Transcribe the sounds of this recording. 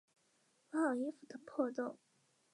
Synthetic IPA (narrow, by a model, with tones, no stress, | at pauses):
wɑ˨˩i˧˥fu˨˩d̪ə˨pʰɔ˥˧t͡so˥˩ʊŋ